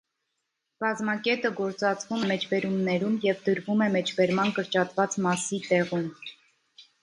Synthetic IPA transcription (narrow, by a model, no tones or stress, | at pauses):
kɑzmɑkɛt̪əɡɔɾt͡sɑt͡svumɛmɛt͡ʃʰbɛɾumnɛɾumjɛvd̪əɾvumɛmɛt͡ʃʰbɛɾmɑnkəɾt͡ʃɑt̪vɑt͡smɑsit̪ɛʁum